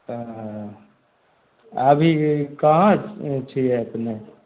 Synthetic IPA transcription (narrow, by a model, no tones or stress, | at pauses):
əbʱikəɦãt͡ʃt͡ʃʰiɛəpne